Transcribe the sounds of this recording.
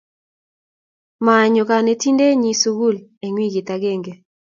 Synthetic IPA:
ma˨ɲɔ˨ka˨ne˨ti˦nde˦ɲi˦su˦ɡu˦le˨ŋwi˦ɡɪ˨ta˨ɡe˦˨ŋɡe˨

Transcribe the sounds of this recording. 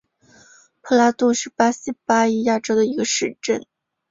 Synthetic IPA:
pʰɤ˥la˧˥t̪u˥ʂɻ̩˥˩pa˥ɕi˥pa˥li˥ja˥˩ʈ͡ʂo˥ʊd̪ə˨˩i˧˥ɡə˧ʂɻ̩˥˧ʈ͡ʂə˥˩n

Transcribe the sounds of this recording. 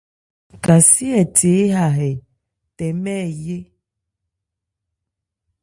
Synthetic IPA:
ka˨si˦ɛ˨te˨˦ɦa˨ɦɛ˨ | tɛ˨mɛ˦˨je˦

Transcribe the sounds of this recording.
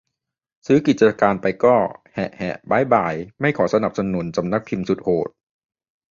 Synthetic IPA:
sɯː˦˥ki˨˩t̪̚t͡ɕa˧kaː˧npa˧jkɔː˥˩hɛ̰˨˩ʔhɛ̰˨˩ʔbaː˨˦˥jbaː˨˩jma˥˩jkʰɔː˩˦sa˧na˨˩p̚sa˧nu˩˦nt͡ɕa˧mna˦˥k̚pʰi˧msu˨˩t̪̚hoː˨˩t̪̚

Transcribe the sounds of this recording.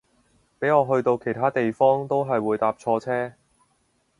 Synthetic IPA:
pe˨˥jɔː˨˧ɦɵ˧ɥt̪o˧wkʰe˨˩jt̪ʰaː˥t̪e˨jfɔː˥ŋt̪o˥wɦɐ˨jwuː˨˧jt̪aː˧p̚t͡ʃʰɔː˧t͡sʰɛː˥

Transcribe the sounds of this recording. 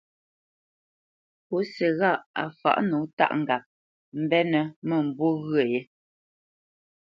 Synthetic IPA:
po˨˦sɛ˨ɣa˦˨ʔa̰˨fa̰˨ʔnu˨˦ta̰˦˨ʔŋ̩˨ɡa˨p̚ | m̩˦bɛ˦nə˨mə˨m̩˨bo˦ɣɰə˦˨je˦

